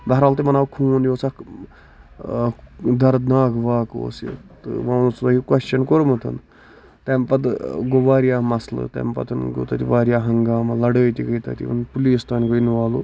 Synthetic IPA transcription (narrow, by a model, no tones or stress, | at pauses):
b̪aɾaːlt̪imɐnaːwkʰuːnjosak | d̪ɐɾd̪naːkʰʋaːko̰ːsḭt̪ɨ̰ʋaːnusud̪akikwɐʃt͡ʃɐnkoɾmɐt̪ʰɐ̰n | t̪empɐt̪ɡoʋaːɾijaːmɐslɨ̰t̪ɐ̰mpɐ̰t̪ʰɨnɡo̰ːt̪at̪iʋaːɾijaːɦɐŋɡaːmɐlɐɽəːt̪ikəjt̪a̰ːt̪ḭɐ̰npuliːst̪aːnkəinuʋaːlu